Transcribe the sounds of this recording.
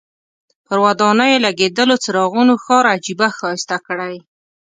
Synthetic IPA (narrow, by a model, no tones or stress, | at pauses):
pəɾwad̪ɑnəjelaɡed̪əlot͡səɾɑɣunoxɑɾad͡ʒibaxɑɪst̪akəɽaj